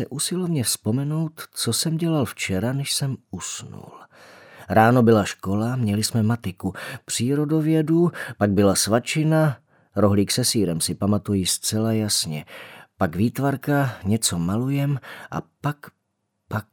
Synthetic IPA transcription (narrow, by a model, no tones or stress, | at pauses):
ɛʔusɪlovɲɛfspo̞mɛno̞wt̪t͡so̞sɛmɟɛlalft͡ʃɛɾanɛʃsɛmusnṵl | ɾaːno̞bɪlaʃko̞lamɲɛlɪsmɛmat̪ɪkupr̝̥iːɾo̞do̞vjɛdupaɡ̚bɪlasvat͡ʃɪna | ɾoɦliːksɛsiːɾɛmsɪpamat̪ujɪst͡sɛlajasɲɛpaɡviːt̪vaɾkaɲɛt͡so̞malujɛmʔa̰pak | pak̚